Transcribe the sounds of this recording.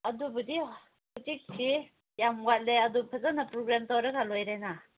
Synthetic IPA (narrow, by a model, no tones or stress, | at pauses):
ɐdubɐdi | utik̚sʰi | jamɡat̚leɐdupʰɐzanapɾɔɡɾamtawɾaɡalojɾajna